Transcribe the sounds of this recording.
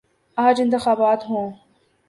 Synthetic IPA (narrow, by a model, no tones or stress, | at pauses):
aːd͡ʒɪ̃nt̪ɪxaːbaːt̪ɦõː